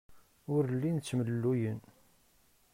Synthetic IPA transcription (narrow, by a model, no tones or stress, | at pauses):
ʊɾlːint͡sːməlːujən